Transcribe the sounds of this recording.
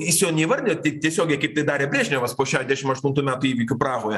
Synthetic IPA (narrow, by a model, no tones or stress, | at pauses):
ɪsʲjoːnʲɛːʋɐrʲnʲɛt̪ʲɛɪt̪ʲiɛsʲoːɡʲɛɪkɐɪpt̪ɐɪd̪ɑːɾʲeːbʲrʲiːʒʲnʲoːʋɐspoːʃʲæːd̪ʲæːʃʲɪmɐʃt̪unt̪uːmʲæːt̪uiːʋʲikʲʊprɑːɣoːjɛ